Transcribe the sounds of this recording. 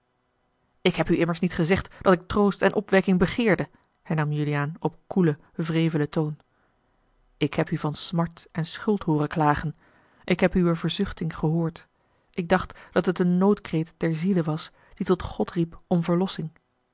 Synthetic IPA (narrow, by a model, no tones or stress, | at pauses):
ɪkɦɛpyɪməɹsnitχəzɛχtd̥ɑtɪk̚trowstɛnʔɔpʋɛkɪŋbəχɪːɹdə | hɛɹnɑmjylijaːnɔp̚kulə | vreːjvələtown | ɪkɦɛpyvɑnsmɑɹtɛnsχɵlˠtɦoːrəklaːχən | ʔɪkɦɛpywəvəɹzʏχtɪŋχəɦʊːɹt | ʔɪɡ̚dɑχtd̥ɑtɦətənːowtkrejtd̥ɛɹziləʋɑs | d̥itɔtχɔtripɔmvəɹlɔsɪŋ